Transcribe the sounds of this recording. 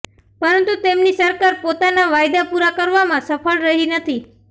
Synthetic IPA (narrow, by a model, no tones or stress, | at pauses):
pəɾənt̪ut̪emnisəɾkaɾpot̪anaʋajd̪apuɾakəɾʋamãsəfəɭɾəɦinət̪ʰi